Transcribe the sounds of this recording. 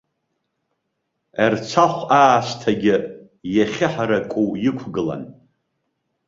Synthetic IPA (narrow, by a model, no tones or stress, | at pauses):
art͡sʷʰaχʷaːʃʷtʰaɡʲɪ | jaχʲɪħaɾakʷʼuwjɪkʷʰɡɨla̰n